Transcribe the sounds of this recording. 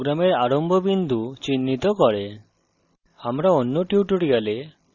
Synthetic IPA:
ɡɾameɾaɾɔmbʱɔbind̪ʱut͡ʃinːit̪ɔkɔɾe | amɾaonːoʈjuʈuɽiale

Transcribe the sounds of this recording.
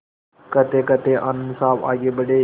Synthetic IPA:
kət̪eːkət̪eːʔanmsaːba̰ːɡeːbəɖeː

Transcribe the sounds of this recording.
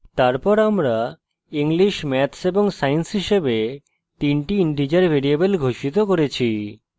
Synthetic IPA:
t̪aɾpɔɾamɾa | iŋliʃmɛt̪ʰseboŋsajensɦiʃebe | t̪inʈiinʈid͡ʑaɾbʱeɾiabelɡʱoʃit̪okoɾet͡ɕʰi

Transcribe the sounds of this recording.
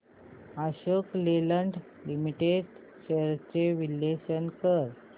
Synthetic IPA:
aɕəkleləɳɖ | limiʈeɖ | ɕeɾt͡ɕeʋilːeɕənkəɾ

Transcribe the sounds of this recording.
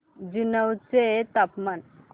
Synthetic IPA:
d͡ʑunəwt͡set̪apman

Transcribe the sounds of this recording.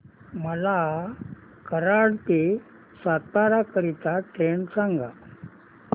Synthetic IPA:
məla | kəɾaɽp̪e | sat̪ːaɾakəɾit̪aʈɾeɳsaŋɡa

